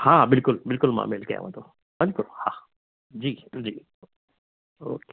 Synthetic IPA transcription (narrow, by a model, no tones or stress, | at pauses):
hãːbɪlkʊlbɪlkʊlmã̰ːmelkɐja̰ʋã̰t̪ʰo | bɪlkʊlhã | d͡ʒiːd͡ʒiː | o̰ːke̥